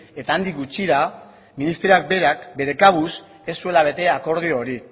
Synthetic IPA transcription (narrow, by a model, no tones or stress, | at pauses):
e̞t̪aːnd̪ikɡut͡ʃiða | minist̪ɾeak̚be̞ɾakbe̞ɾe̞kaβus | e̞sːue̞laβ̞e̞t̪e̞ako̞ɾð̞ioːɾi